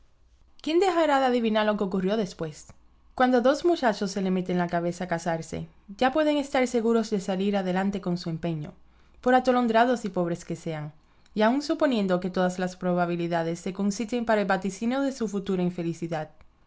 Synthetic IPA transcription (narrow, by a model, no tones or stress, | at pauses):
kje̞nd̪e̞xaɾaðeaðiβinaɾlo̞keo̞kurjo̞ðe̞spwe̞s | kwand̪o̞ðo̞zmut͡ʃat͡ʃo̞sːe̞le̞me̞t̪e̞ŋlakaβ̞e̞saːkasaɾse̞̰ | ʝapwe̞ðe̞ŋe̞st̪aɾse̞ɣuɾo̞zðe̞saliɾaðe̞lant̪e̞ko̞nsue̞mpe̞ɲo̞̰ | po̞ɾat̪o̞lo̞nd̪ɾaðo̞sipo̞β̞ɾe̞ske̞se̞aŋ | iauŋsupo̞nje̞nd̪o̞ke̞t̪o̞ðaslaspɾo̞βaβ̞iliðaðe̞sːe̞konsite̞mpaɾaelβat̪isinoðe̞sufut̪uɾaiɱfe̞lisiðað